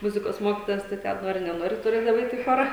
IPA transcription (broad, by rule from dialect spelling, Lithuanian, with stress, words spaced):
ˈmʊzʲɪkoːs ˈmoːkʲɪtoːjɛs tɐɪ ˈtʲɛn ˈnoːrʲɪ nʲɛˈnoːrʲɪ tʊˈrʲeːdɐʋɐɪ ˈɛɪt ɪ ˈxoːrɐ